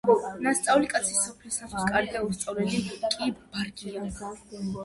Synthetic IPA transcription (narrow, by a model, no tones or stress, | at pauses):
nast̪sʼaulikʼat̪sʰisɔpʰlisakkʼaɾd̪aust̪sʼavlɛlikʼibb̥aɾɡʼia